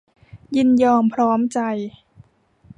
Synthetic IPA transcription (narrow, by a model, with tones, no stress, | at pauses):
ji˧njɔː˧mpʰɾɔː˦˥mt͡ɕa˧j